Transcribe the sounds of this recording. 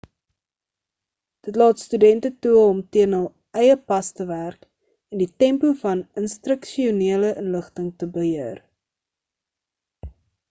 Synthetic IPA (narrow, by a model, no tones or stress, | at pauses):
d̥ətlɑːtstydɛntətuəɔmtiənɦəlˠ | ɛjəpɐstəværk | ɛnditɛmpufɐnənstrəkʃiuniələʔənləχtəŋtəbəɦiər